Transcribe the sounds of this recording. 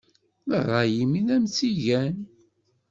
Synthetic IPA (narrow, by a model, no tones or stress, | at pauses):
əʁˤɑjiminæmt͡siʝæn